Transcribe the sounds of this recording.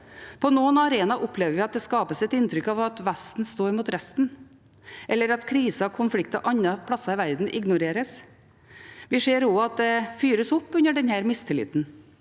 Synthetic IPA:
pʰɔnuːənɑɾeːnɑʔʊpːleːʋəɾʋɪɑt̪̚d̪ɛskɑːpəsɛt̪ɪnt̪ɾʏkɑʋɑt̪ʋæst̪n̩st̪oːɾmuːt̪ɾɛst̪n̩ | ʔɛlːəɾɑt̪kʰɾiːsɑkʰʊnflɪk̚t̪ɑʔɑnːəpʰlɑsɑɪʋæɾd̪n̩ʔɪ̰ɡnʊɾeːɾəs | ʋɪʂeːɾoːɑt̪̚d̪ɛfyːɾəsɔpːʉnəɖɛnhæːɾmɪst̪ʰɪlɪ̰ːt̪n

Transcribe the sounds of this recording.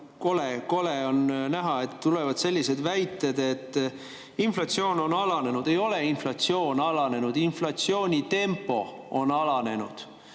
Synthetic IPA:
ko̞leko̞leo̞nnæɦɑe̞t̪ːule̞vɑd̪̥se̞lʲːise̞d̪væjt̪ːˑed̪e̞t̪ː | inflɑt̪sio̞ːno̞nɑlɑne̞nud̪̥e̞jo̞le̞inflɑt̪sio̞ːnɑlɑne̞nud̪̥inflɑt̪sio̞ːnʲit̪e̞mpːo̞onɑlɑne̞nud̪̥

